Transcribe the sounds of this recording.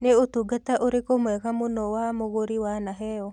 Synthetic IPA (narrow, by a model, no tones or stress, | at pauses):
neotuɡataʔoɾekomwɛɣamonɔwamoɣoɾiwanaɦɛɔ